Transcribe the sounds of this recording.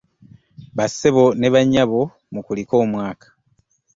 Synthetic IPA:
βaseβo̞ne̞βaɲːaβo̞ | mukuliko̞ːmwaːkḁ

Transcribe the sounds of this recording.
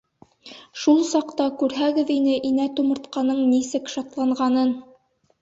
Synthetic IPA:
ʃulˠsɑqt̪ɑkʉɾɦæɡɘðinɘʔinæt̪umɤ̆ɾt̪qɑnɤɴnisɘkʃɑt̪lˠɑɴʁɑnɤn

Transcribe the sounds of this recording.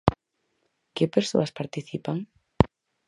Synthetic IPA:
kɪpeɾso̰ɐspaɾt̪iθipaŋ

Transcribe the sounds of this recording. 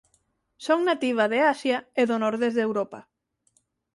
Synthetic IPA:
soŋnat̪iβ̞aðeasjaeðonɔɾðezðewɾɔpa̰

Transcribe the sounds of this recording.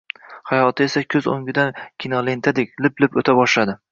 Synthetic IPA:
hajɒt̪ʰɪe̞sakʲʰɵzo̰ŋɡʲɪd̪ankʲʰinɒle̞nt̪ʰad̪ekʲlɪplɪpɵt̪ʰabɒʃlad̪ɪ

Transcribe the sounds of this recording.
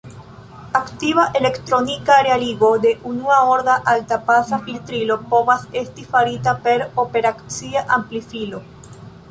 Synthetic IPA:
akt̪iβaʔele̞kt̪ɾonikaːɾealiɡo̞d̪e̞ʔunuaoɾdaʔalt̪apasafilt̪ɾilopoβase̞st̪ifaɾit̪apeɾopeɾakt͡siaʔamplifilo

